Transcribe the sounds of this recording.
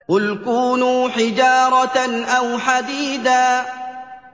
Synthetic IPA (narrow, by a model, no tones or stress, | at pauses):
hʊlkuːnuːħɪd͡ʒɑːɾˤɑʔawħad̪iːd̪aː